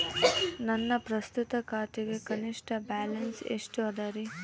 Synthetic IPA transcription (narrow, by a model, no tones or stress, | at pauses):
nɐnːɐpɾɐst̪ut̪ɐkaːt̪iɡe̞kɐniʂʈɐbaːlɐnsḛʂʈuɐd̪ɐɾi